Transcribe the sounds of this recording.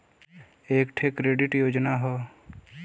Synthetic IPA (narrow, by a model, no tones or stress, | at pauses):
eːkʈʰekɾeːɖɪʈjoːd͡ʒnaɦɔː